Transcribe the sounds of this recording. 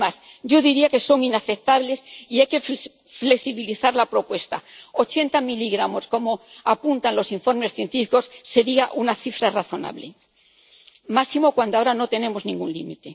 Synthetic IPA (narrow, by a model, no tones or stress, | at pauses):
as | ɟ͡ʝo̞ðiɾiake̞so̞ŋinaθe̞p̚t̪aβle̞siajke̞f | fleksiβiliθaɾlapɾo̞pwe̞st̪a̰o̞t͡ʃe̞nt̪amiliɣɾamo̞sko̞mo̞apunt̪anlo̞siɱfo̞ɾme̞sθje̞nt̪ifiko̞sːe̞ɾiaʔunaθifɾaraθo̞na̰βle̞̰ | masimo̞kwand̪oaoɾano̞t̪e̞ne̞mo̞znĩŋɡunlimit̪e̞